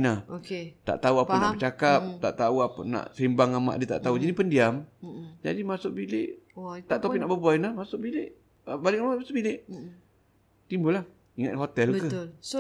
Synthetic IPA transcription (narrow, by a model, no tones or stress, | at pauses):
nahoket̪a̰ʔt̪auapənaʔət͡ʃakap̚t̪a̰ʔt̪auapəna̰ʔsəimbaŋama̰ʔdiət̪a̰ʔt̪aud͡ʒinipəndiamd͡ʒa̰dimasʊʔbilɪʔt̪aʔt̪opiʔnaʔbəbuajnahmasʊʔbilɪʔ | əbalɪʔmasʊʔbilɪʔ | t̪imbəlah | iŋat̪̚ɦot̪ɛlkə